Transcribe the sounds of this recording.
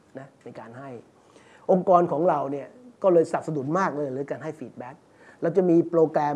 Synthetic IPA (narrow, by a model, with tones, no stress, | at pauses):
na˦˥na˧jkaː˧nɦa˥˩j | ʔo˧ŋkɔː˧nkʰɔː˩˦ŋɾa˧wni˥˩ɐkɔː˥˩lɤː˧jsa˨˩p̚sa˧du˨˩t̪̚maː˥˩k̚lɤː˧jɾɯː˩˦kaː˧nɦa˥˩jfiː˨˩t̪̚bɛ˦˥k̚ | ɾɛː˦˧˩wt͡ɕa˨˩miː˧pɾoː˧kɾɛː˧